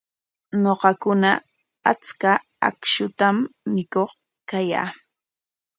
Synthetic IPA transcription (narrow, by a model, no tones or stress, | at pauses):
ɲoqɑkʊna | at͡ska | a̰kʃʊt̪amːɪkoχ | kaja̰ː